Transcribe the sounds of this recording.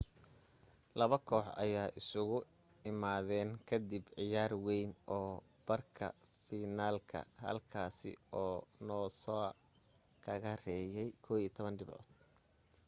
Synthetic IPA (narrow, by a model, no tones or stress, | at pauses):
lɐβɐkʰɔːħɐ̰jaːʔɪsʊɣʊ | ɪmaːðɛːnkʰɐd̪ɪbʕɪjaːrwɛjnɔː | b̥ɐrkʰɐ̰ | fiːnaːlkʰɐ̰hɐ̰lkʰaːsɪ̰ɔːnɔːsɔ | kʰɐɣɐrɛːjɛjkʰɔːwiːt̪ʰɔβɐnɖɪbʕɔ̰ːd̪̥̚